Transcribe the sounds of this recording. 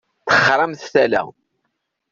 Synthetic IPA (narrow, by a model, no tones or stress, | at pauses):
θə̥χɾˤɑmθθælæ̰